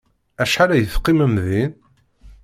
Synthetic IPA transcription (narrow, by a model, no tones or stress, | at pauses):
æʃħalæjəθqːimæmðin